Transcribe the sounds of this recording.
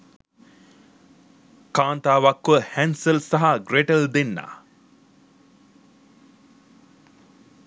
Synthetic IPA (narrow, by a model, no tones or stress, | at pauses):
kaːnt̪aːʋakʋəhænsəlsaɦaɡreʈəld̪enːa̰ː